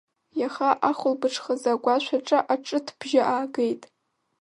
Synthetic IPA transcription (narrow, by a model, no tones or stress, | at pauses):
jaχaʔaχʷʊlbɨʈ͡ʂʰχazaɡʷaʃʷʰaʈ͡ʂʼaʔaʈ͡ʂʼɨtʰb̥ʒaʔaːɡejtʼ